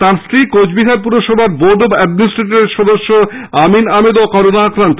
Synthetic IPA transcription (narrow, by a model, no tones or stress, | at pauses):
t̪ãɾsɾikot͡ɕʰbiɦaɾpuɾoʃɔbʱaɾboɖobɛɖminisʈɾeʈaɾeɾʃɔd̪oʃːo | aminamed̪okɔɾonaakɾant̪o̥